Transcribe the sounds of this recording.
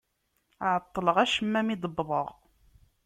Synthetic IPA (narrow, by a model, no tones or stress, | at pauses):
ʕət̪ˤːələʁæʃəmːæmid̪ˤəbðˤəʁ